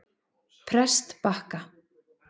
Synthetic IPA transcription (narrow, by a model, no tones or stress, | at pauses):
pʰɾɛst̪pahka